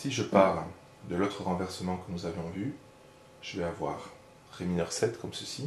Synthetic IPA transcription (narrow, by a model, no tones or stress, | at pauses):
siʒəpaʁl | d̪əlot̪χəʁɑ̃vɛʁsəmɑ̃kənuzavjɔ̃vy | ʒ̥əvɛavwa̰ʁ | ʁeminœʁsɛt̪kɔmsəsi